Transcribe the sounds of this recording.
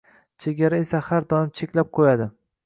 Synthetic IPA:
t͡ʃʰeɡʲaɾaesahaɾd̪ɒnɪmt͡ʃʰekʲlap̚qʰojad̪ɪ

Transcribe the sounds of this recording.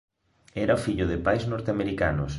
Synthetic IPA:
ɛɾaofiʎʊðɪpajznɔɾt̪eameɾika̰nʊs

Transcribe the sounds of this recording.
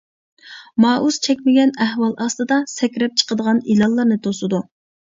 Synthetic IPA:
mɑːʔuz̥t͡ʃʰɛkʲmɪɡʲɛnæhwɑlˠʔɑst̪ɨd̪ɑsɛkʲɾɛp̚t͡ʃʰə̥qəd̪əʁɑnilɑlˠːɑɾnɨt̪ʰosɨd̪u

